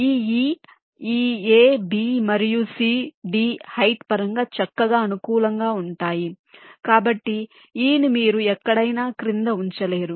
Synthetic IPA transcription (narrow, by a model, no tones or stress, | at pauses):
iːiː | iːeːbiːmɐɾijusiːɖiːhɐjʈpɐɾɐŋɡaːt͡ʃɐkːɐɡaːɐnukuːlɐŋɡaːuɳʈaːji | kaːbɐʈːi | iːnimiːɾuɛkːɐɽɐjnaːkɾind̪ɐuɲt͡ʃɐle̞ːɾu